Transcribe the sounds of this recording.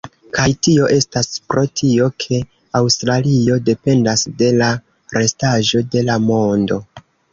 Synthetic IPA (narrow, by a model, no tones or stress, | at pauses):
kajtio̞ʔe̞staspɾo̞tʰio̞kʰe̞ | awstɾalio̞de̞pe̞ndasde̞la | ɾe̞staʒo̞de̞lamo̞ndo̞